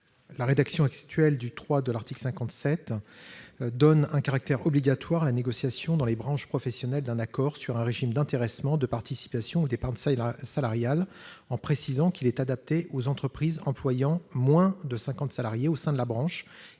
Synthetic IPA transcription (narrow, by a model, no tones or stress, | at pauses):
laʁed̪aksjɔ̃akst̪ɥɛld̪yt̪χwad̪əlaʁt̪iklsɛ̃kɑ̃t̪sɛt̪ | d̪ɔnɛ̃kaʁak̚t̪ɛʁɔbliɡʲat̪waʁalaneɡɔsjasjɔ̃d̪ɑ̃lebʁɑ̃ʃpχɔfɛsjɔnɛld̪ɛ̃nakɔʁsyʁɛ̃ʁeʒimd̪ɛ̃t̪eʁɛsmɑ̃d̪əpaʁt̪isi̥pasjɔ̃ud̪epaʁt̪salaʁjalɑ̃pχesizɑ̃kilɛt̪ad̪ap̚t̪eʔozɑ̃t̪χəpχizɑ̃plwajɑ̃mwɛ̃d̪əsɛ̃kɑ̃t̪salaʁjeosɛ̃d̪əlabʁɑ̃ʃ